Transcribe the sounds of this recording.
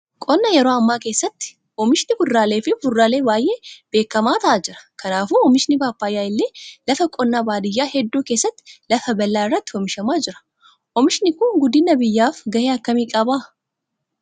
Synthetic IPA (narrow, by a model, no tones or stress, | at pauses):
kʼɔnːɐjɛɾo̞ːɐmːaːke̞ːsːɐt̪ːɪ̥ | ʔɔmɪʃnɪbʊrːaːle̞ːfɪbʊrːaːle̞ːbaːjʔe̞ːb̥e̞ːkːɐmaːt̪ɐʔaːd͡ʒɪɾɐ̥kʰɐnaːfuːɔmɪʃɪnɪbaːpːaːjːaːɪlːeːlɐfɐkʼɔnːaːbaːd̪ɪjːaːhɛd̪ːuːke̞ːsːɐt̪ːɪ̥lɐfɐbɐlːaːɪrːɐt̪ːɪ̥ɔmɪʃɐmaːd͡ʒɪɾɐ̥ | ʔɔmɪʃɪnɪkʊnɡʊd̪ɪnːɐbɪjːaːfɡɐheːɐkːɐmiːkʼɐbaː